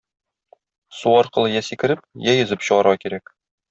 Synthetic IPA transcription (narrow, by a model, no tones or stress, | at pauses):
suɒɾqɤ̆lˠɤjæsikɘ̆ɾɘp̚jæjɵ̆zɤpɕɤ̆ʁɑɾʁɑkiɾæk